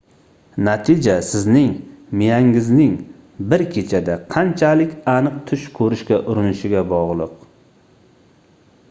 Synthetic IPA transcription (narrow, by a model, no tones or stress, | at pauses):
nat̪ʰɪd͡ʒasɪznɪŋmɪjaŋɪznɪŋ | bɪɾkʲʰe̞t͡ʃʰad̪aqʰɑnt͡ʃʰalɪkʲanɨq̚t̪ʰʊʃkʰɵɾɪʃkʲaʔʊɾɪnɪʃɪɡʲabɒʁlˠɨq